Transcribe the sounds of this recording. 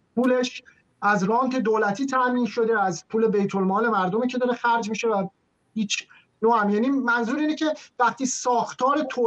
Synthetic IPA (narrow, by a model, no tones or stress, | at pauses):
pʰuːle̞ʃ | ʔæzɾɒːnt̪ʰe̞d̪oːlæt̪ʰiːt̪ʰæmiːnʃo̞d̪e̞æzpʰuːle̞be̞jt̪ʰo̞lmɒːle̞mæɾd̪omiːcʰed̪ɒːɾe̞xæɾd͡ʒmiːʃe̞væ | hiːt͡ʃʰ | noːhæmjæːniːmænzuːɾiːnecʰe̞væɢ̚t̪ʰiːsɒːxt̪ʰɒːɾet̪ʰoː